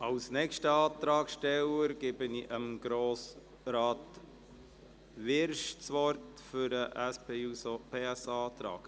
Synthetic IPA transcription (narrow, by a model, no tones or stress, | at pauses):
ɑwsnɛkʃtəɑːt̪ɾɑːɡʃtɛləɾɡ̥ɪbəniʔəmɡ̥ɾoːs | ɾɑːt | ʋɪɾʃt͡sʋɔɾtfʏɾəʔæspʰeːusopʰeːæsɑːt̪ɾɑ̰ːɡ̥